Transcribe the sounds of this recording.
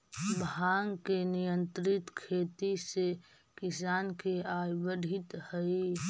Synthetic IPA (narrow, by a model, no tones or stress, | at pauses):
bʱaːŋkenɪjə̃nt̪ɾɪt̪kʰeːt̪ise | kɪsaːnkeaːjwəɖʱɪt̪həi